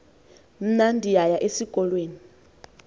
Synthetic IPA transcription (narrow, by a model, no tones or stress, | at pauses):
m̩nandʱijajaʔesikʼɔlweːni